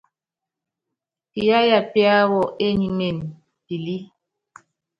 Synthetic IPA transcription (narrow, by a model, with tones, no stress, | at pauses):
pi˨a˦ja˨pi˦a˦wɔ˨ʔe˦ɲi˨ne˨n | pi˨li˦